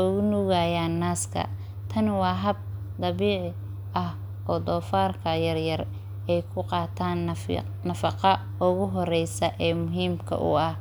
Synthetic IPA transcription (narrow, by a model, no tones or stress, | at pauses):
ɔɣʊnuɣajaːnːaːskʰɐ̰ | t̪ʰɐnwɑːɦɐb̚ | d̪ɑβiːʕɪ | ʔɐh | ʔɔːd̪ɔːfaːrkʰɐjɐrjɐr | ɛjkʰʊqɑːt̪ʰaːn | nɐfɑqɑ | ʊɣʊɦɔrɛjsɐʔɛːmʊɦiːmkʰɐ̰ʔʊ̰ɐh